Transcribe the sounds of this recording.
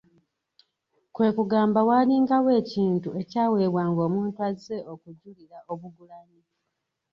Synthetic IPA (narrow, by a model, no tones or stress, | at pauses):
kwe̞ːkuɡaːmbawaːliŋɡawe̞ːciːntue̞caːwe̞ːβwaːŋɡo̞ːmuːntuaze̞ʔo̞kuɟːuliɾaʔo̞βuɡulaɲi